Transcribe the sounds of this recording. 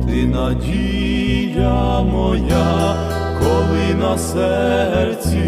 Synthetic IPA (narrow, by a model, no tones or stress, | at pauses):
t̪ɪnɐdʲi | jamɔja | kɔlˠɪnɐsɛrt͡sʲi